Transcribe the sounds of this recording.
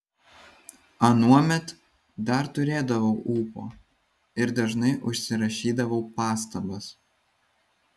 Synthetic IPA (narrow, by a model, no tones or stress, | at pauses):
ɐnuɔmʲɛt̪ | d̪ɐɾt̪ʊɾʲeːd̪ɐʋɐʊʔuːpo̰ː | ɪɾd̪ɐʒnɐɪʔʊʃʲsʲɪɾɐʃʲiːd̪ɐʋɐʊpɑːst̪ɐbɐs